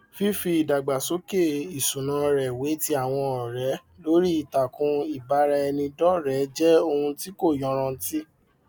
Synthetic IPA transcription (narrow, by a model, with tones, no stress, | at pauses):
fi˦fi˧i˨da˨ɡ͡ba˨so˨˦ke˦˨i˨sũ˨nã˨˦ɾɛ˨we˨˦ti˦a˦˨w̃ɔ̃˧ɔ˨ɾɛ˨˦ | lo˨˦ɾi˦i˦˨ta˨kũ˧i˨ba˨˦ɾa˧nĩ˧dɔ˦ɾɛ˨˦d͡ʒɛ˦o˧hũ˧ti˦ko˦˨jɔ̃˨˦ɾ̃ã˧˦ti˦